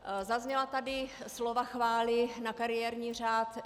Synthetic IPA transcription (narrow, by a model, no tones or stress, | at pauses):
zazɲɛlat̪adɪ | slovaxvaːlɪnakaɾɪjɛːɾɲiːr̝aːt̪